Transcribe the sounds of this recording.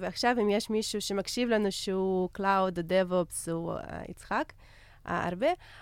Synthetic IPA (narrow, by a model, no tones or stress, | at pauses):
veaχʃavimjeʃmiʃuʃemakʃivlanuʃeuklawd̪ad̪evopsua̰ḭt͡sχak | a̰a̰ɾbe